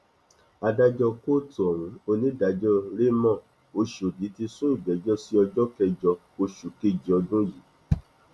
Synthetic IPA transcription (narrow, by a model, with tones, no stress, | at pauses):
a˧da˧d͡ʒɔ˧ko˦tu˨ɔ˨wũ˨˦o˧nĩ˦da˨˦d͡ʒɔ˦ɾe˦mɔ̃˦˨ | o˧ʃo˨di˨˦ti˧sũ˦i˦˨ɡ͡bɛ˨˦d͡ʒɔ˦si˦ɔ˧d͡ʒɔ˦kɛ˧d͡ʒɔ˧ | o˧ʃu˨ke˦d͡ʒi˨ɔ˧dũ˦ji˨˦